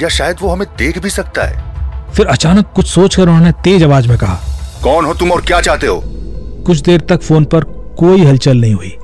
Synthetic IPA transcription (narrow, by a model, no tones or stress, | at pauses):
jaʃaːjəd̪ʋoɦɐmẽd̪eːkʰbʱisɐk̚t̪a̰ɦɛ̰ːfɪɾɐt͡ʃaːnəkːʊt͡ʃʰsoːt͡ʃkɐɾɦonet̪eːd͡ʒɐʋaːd͡ʒmẽkɐɦaːkɔːnɦot̪ʊmɔːɾkjaːt͡ʃaːɦt̪eɦo̰ːkʊt͡ʃʰd̪eːɾt̪ɐkfoːnpɐɾ | koːiɦɐlt͡ʃəlnɐɦĩɦʊiː